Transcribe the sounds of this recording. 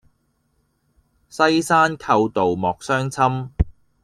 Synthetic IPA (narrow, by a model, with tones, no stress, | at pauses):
sɐ˥jsaː˥nkʰɐ˧wt̪o˨wmɔː˨k̚sœː˥ŋt͡sʰɐ˥m